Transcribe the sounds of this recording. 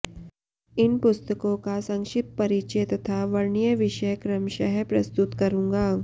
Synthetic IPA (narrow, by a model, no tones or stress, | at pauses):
ɪnpʊst̪əkõkasɐ̃ŋʃɪt̪̚pɐɾit͡ʃet̪ɐt̪ʰaʋɐɾɳijəʋɪʃəjkɾəmʃɐɦpɾɐst̪ut̪kɐɾũːŋɡaː